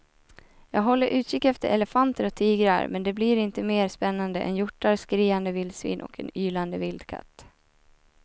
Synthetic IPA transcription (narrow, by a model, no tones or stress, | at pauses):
jɑːɡɦɔlːəɾʔʉ̟ːt̪ɕɪkːɛft̪əɾʔɛ̰ləfant̪əɾɔt̪ʰiːɡɾa̰ɾmɛnd̪ɛbliːɾɪnt̪əmeːɾspɛnːand̪əʔɛ̰njʊʈːaɾskɾiːand̪əvɪld̪svḭːnʔɔ̰kʰɛ̰nyːland̪əvɪld̪kʰa̰t̪ː